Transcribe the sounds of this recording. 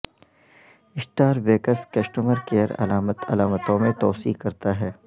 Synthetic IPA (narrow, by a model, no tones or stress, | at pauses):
ɪsʈaːɾbeːkəskɐsʈəməɾkeːəɾɐ̰laːmət̪ɐ̰laːmət̪õmẽt̪ɔːsḭːkɐɾt̪aɦɛː